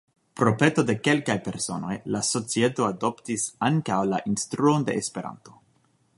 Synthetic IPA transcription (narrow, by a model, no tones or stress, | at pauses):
pɾo̞pe̞t̪o̞de̞ke̞lkajpe̞ɾso̞̰no̞̰jlaso̞t͡sie̞t̪o̞ado̞ptisaŋkawla̰ʔinst̪ɾuo̞nd̪e̞ʔːspe̞ɾa̰nto̞